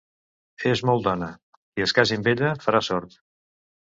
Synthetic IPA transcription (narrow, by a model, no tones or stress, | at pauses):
ezmɔlˠd̪ɔnə | iəskazimbeʎəfəɾasɔɾt̪